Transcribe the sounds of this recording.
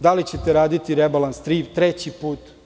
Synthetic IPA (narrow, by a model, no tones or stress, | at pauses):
d̪alit͡ɕet̪eɾaːd̪it̪iɾebalˠanst̪ɾiːpt̪ɾet͡ɕipuːt̪